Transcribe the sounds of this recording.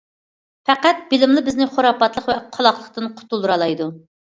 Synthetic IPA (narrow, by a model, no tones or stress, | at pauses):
fæqæt̪̚b̥ɪlɪmlˠɨbɪznɪχoɾɑpɑt̪lˠəqvɛqʰɑlˠɑχlˠəqt̪ɨnqʰʊ̥t̪ulˠɾɑlˠɑjd̪u